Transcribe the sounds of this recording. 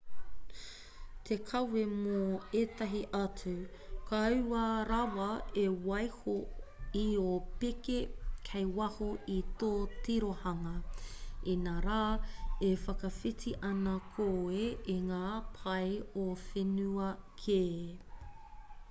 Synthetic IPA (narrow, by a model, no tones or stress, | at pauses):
t̪ʰekʰɐwemoeːt̪ɐɦiʔɐt͡su | kʰaʉaɾɐwɐewɐjhoiopekekʰejwɐhoit̪oːtiɾohɐŋɐ | inaɾaːefɐkɐfitiʔɐnɐkʰoːeiŋaːpʰɐjofenʉɐkʰeː